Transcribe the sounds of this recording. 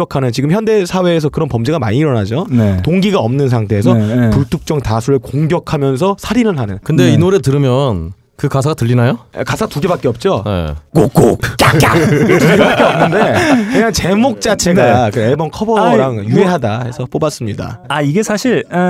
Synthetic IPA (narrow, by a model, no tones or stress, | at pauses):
ʌkʰanɯnt͡ɕiɡɯmçjʌnde̞sʰawe̞ːs̬ʰʌkɯɾʌnpʌmd͡ʑeɡama̰ɲiːɾʌnad͡ʑonetoŋɡiɡaʌmnɯns̬ʰaŋtʰe̞ːsʰʌpuɭtʰuk̚t͡ɕ͈ʌŋtasʰuɾɯɭkoŋɡjʌkʰamjʌns̬ʰʌsʰaɾinɯnɦanɯnkɯnde̞inoɾetɯɾɯmjʌn | kɯkasʰaɡatɯʎːinajo̰kasʰaatuɡe̞bak͈eʌp̚t͡ɕ͈onḛkok͈o̰kaatuɡebak͈eʌmnɯnde̞kɯɲaŋt͡ɕe̞mok̚t͡ɕ͈at͡ɕʰe̞ɡakɯeɭbʌnkʰʌbʌɾaŋjue̞ɦadahe̞sʰʌp͈obas͈ɯmɲida̰aiɡe̞sʰaɕʰiɾ